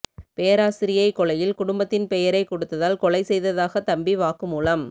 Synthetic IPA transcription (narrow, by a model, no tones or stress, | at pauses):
pejɐɾaːsɪɾɪjɐɪkɔɭɐjɪlkʊɽʊmbɐt̪ːɪnpɛjɐɾɐɪkɔɽɯt̪ːɐðaːlkɔɭɐɪsɛjðɐðaːɣɐt̪ɐmbiʋaːkɯmuːlɐm